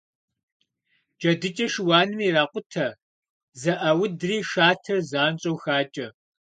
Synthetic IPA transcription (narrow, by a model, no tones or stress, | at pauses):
d͡ʒʼɐdɨt͡ʃʼɐʃwaːnɨmiːraːqʷʼʊtʰɐ | zɐʔɐwʊdriːʃaːtʰɐrzaːnt͡ʃʼowxaːt͡ʃʼɐ